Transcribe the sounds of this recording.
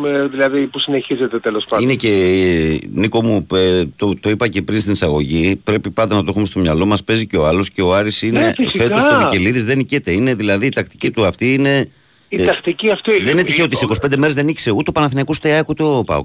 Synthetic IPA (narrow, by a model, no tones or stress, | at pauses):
eðilɐðipusine̞çize̞t̪e̞t̪elo̞spɐinece̞ | niko̞muet̪ot̪o̞ipɐce̞pɾinst̪inisɐɣo̞ʝipɾe̞pipɐnd̪ɐnɐt̪o̞xumest̪o̞mɲɐlo̞mɐspe̞ziceoɐlo̞sce̞o̞ɐɾisinefissfet̪ost̪oviceliðizðenicet̪e̞ine̞ðilɐðiːt̪ɐk̚t̪i̥cit̪uɐft̪iine̞ | it̪ɐkt̪iciɐft̪iðenet̪içeo̞t̪isiko̞si̥pend̪e̞meɾzðeniçi̥se̞ut̪eopɐnɐθinɐkust̪eɐkut̪opɐ̰o̰